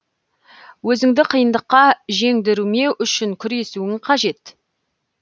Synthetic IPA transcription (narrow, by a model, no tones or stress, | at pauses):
wɵzɪŋd̪ɪqʰəjənd̪əqːɑʒe̞ŋd̪ɪɾume̞ʔʏʃɪŋkʲʰʏɾe̞suɪŋqʰɑʒe̞t̪